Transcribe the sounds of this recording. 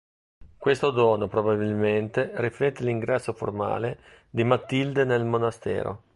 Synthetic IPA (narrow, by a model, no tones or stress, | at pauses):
kwest̪od̪ɔːnopɾobabilment̪eriflɛt̪ːeliŋɡɾɛsːofo̰rma̰ːle | d̪imat̪ːild̪enelmonast̪ɛ̰ːɾo̰